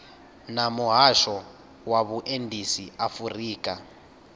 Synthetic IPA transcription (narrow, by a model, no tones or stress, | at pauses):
namuɦaʃɔ | waβuʔendʱisiafuriːkʼa